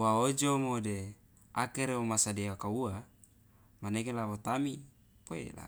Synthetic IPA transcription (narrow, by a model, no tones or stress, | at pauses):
waod͡ʒomode | akeɾeomasadeakaua | manekelawot̪ami | poḛla̰